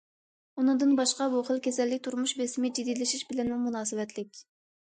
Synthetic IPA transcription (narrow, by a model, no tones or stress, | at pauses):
unɨŋd̪ɨnbɑʃqɑbuχəlˠkʲʰɛsɛlːɪkʲt̪ʰuɾmuʃbesɪmɪd͡ʒid̪ijlɪʃiʃbɪlɛnmumunɑːsɨwɛt̪lɪkʲ